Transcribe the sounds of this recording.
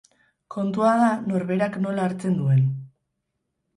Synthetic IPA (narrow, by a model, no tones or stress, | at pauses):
ko̞nt̪uað̞ano̞ɾβe̞ɾakno̞laːɾt͡se̞nd̪ue̞n